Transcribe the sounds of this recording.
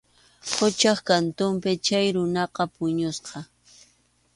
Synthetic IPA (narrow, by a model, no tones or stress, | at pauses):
qʊt͡ʃɑχkant̪ʊmpɪt͡ʃajɾʊnɑqɑpʊɲʊsqɑ